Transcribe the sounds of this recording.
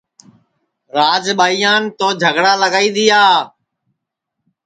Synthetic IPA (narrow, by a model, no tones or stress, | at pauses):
ɾaːd͡ʒɓaːiːjãːnt̪oːd͡ʒʱəɡɽaːləɡaːiːd̪ɪjaː